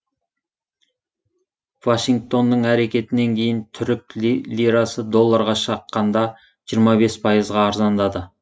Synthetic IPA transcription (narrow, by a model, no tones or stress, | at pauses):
vaʃiŋɡ̚t̪o̞nd̪əɴæɾe̞kʲe̞t̪ɪne̞ŋkʲʰe̞jɪnt̪ʰʏɾɪk̚ʲllʲiɾɑsəd̪o̞lˠːɑɾʁɑʃɑqːɑnd̪ɑ | ʒijɾmɑbe̞spʰɑjəzʁɑːɾzɑnd̪ɑd̪ə